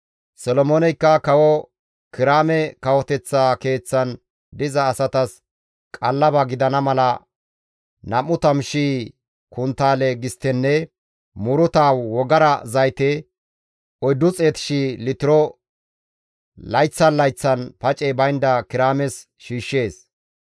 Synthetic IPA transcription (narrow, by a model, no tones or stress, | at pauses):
sɔlɔmoːnɛjkːɐkɐwɔ | kɪɾaːmɛkɐwɔt̪ɛt͡sːaːke̞ːt͡sːɐn | d̪ɪzɐːsɐt̪ɐs | kʼɐlːɐbɐɡɪd̪ɐnɐmɐlɐ | nɐmːʊt̪ɐmʃiː | kʊnt̪aːlɛɡɪst̪ːɛnːɛ | mʊɾʊt̪aːwwɔɡɐɾɐ̰zɐjt̪ɛ | ɔjd̪ːʊt͡sʼeːt̪ɪ̥ʃilɪt̪ɪɾɔ | lɐjt͡sːɐnlɐjt͡sːɐnpɐt͡ʃʼɛbɐjnd̪ɐkɪɾaːmɛs | ʃiːʃːe̞ːs